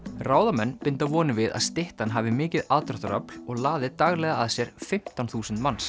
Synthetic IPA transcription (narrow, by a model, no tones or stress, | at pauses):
raːwðamɛnːpɪnt̪avɔːnɪvɪða̰ðst̪ɪht̪anɦaːvɪmɪːcɪðaðt̪ɾaht̪aɾa̰plɔɣlaːðɪt̪aɣlɛɣaːðsjɛɾ̥fɪm̥t̪awnθuːsʏnt̪mans